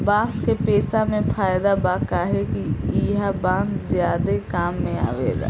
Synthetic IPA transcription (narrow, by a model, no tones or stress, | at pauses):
bãːskepeːsamẽpʰaːjd̪abaːkaɦɛkiɦabãːszjaːd̪ekaːmːẽa̰ːʋḛːɡa̰ː